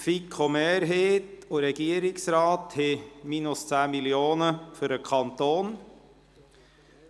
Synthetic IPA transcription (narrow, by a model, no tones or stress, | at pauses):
fɪkhɔmeːɾɦeːt̪oːɾɛɡeːɾɪŋsɾɑːt̪ʰhɪmiːnʊst̪ʰeːmɪlɪuːnəfɔɾəkʰɑnt̪oːn